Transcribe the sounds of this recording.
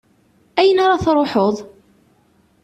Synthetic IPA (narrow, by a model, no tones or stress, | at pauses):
æjənaɾˤɑθɾˤoħoðˤ